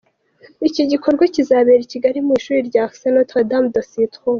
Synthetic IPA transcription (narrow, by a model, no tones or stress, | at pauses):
iciɟiko̞ɾɡwacizaβeɾiciɡaɾimiʃuːɾiɾɟaːksenotadamdasitχo